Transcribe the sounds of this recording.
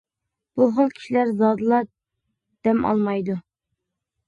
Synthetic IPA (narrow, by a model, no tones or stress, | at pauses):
b̥uɦəlˠkʲʰi̥ʃilæɾzɑːd̪ɨlˠɑ | d̪̥ɛmɑ̰lˠmɑjd̪u